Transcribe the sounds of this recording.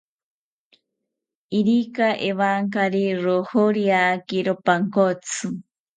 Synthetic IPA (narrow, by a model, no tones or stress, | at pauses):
iɾikaʔeβaŋkaɾiɾohoɾiakiɾopaŋkot͡sʰɨ